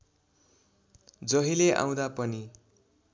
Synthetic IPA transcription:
d͡zʌɦileʔã̰w̃d̪apʌni

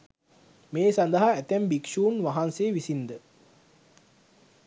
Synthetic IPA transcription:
meːsand̪əɦaæt̪æmbikʃuːnʋaɦanseːʋisind̪ə

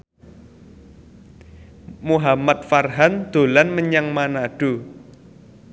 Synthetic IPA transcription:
muɦamat̪̚farɦand̪̥o̤lanməɲaŋmanaɖ̥u

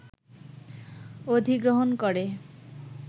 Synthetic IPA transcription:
od̪ʱiɡɾoɦonkoɾe

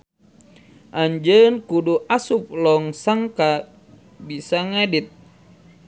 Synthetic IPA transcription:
ʔaɲd͡ʒənkuduʔasup̚lɔŋsaŋka | bisaŋedit̪̚

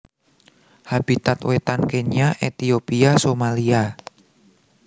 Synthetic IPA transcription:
hab̥it̪at̪wet̪ankeɲaʔet̪iopiasomalia

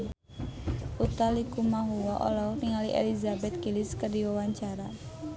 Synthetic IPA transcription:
ut̪alikumaɦuwaʔɔ̰lɔniŋaliʔḛlizabɛt̪̚kilɪskərdiwawaɲt͡ʃaɾa

